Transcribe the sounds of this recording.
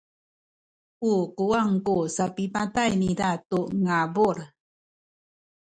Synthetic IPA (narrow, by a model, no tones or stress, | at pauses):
uquaŋkusapipatajnidatuŋabuɾ